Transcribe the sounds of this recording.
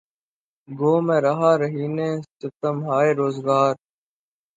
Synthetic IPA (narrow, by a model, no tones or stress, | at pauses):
ɡoːmẽːɾaɦaːɾəɦiːnẽːt͡ʃʊt̪əmɦaːeːɾoːzɡaːɾ